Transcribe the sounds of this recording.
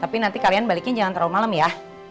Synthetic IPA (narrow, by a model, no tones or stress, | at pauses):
t̪apinant̪ikalianbalikɪnd͡ʒaŋant̪ɾaumalamjah